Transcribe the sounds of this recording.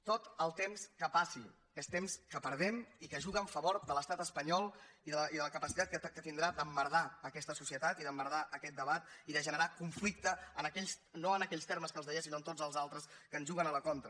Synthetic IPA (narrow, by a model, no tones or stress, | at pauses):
t̪ot̪əlˠt̪emskəpasi | est̪emskəpəɾð̞ɛmikəʒuɣəːɱfəβoɾd̪ələst̪at̪əspəɲɔlˠiðəəiðələkəpəsit̪at̪kət̪ind̪ɾad̪əmːəɾðaəkɛst̪əsusiət̪at̪iðəmbəɾðaʔəkɛt̪̚d̪əβat̪iðəʒənəɾakuɱflik̚t̪əənəkɛʎs | noənəkɛʎst̪ɛɾməskəlzðəjɛesinoənt̪od͡zəlˠzalˠt̪ɾəskənzʒuɣənələkɔnt̪ɾə